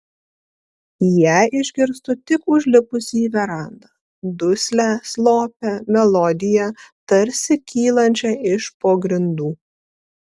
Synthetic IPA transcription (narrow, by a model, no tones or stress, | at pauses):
jæɪʒʲɡʲɪɾst̪ʊt̪ʲɪkʊʒʲlʲɪpʊsʲiːʋʲɛɾɑˑnd̪ɑ | d̪ʊsʲlʲæslˠoːpʲɛmʲɛlˠɔd̪ʲɪjɛt̪ɐɾʲsʲɪkʲiːlˠɐnʲt͡ʃʲɛɪʃpoːɡɾʲɪnd̪uː